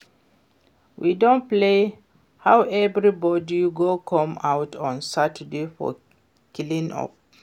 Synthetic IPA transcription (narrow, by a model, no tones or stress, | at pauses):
wʔidõn̚ple | hawɛvɹibɔdiɡokʰʌ̃mawtʰɔ̃nsatədefɔ̰ | kʰilĩŋɔ̰p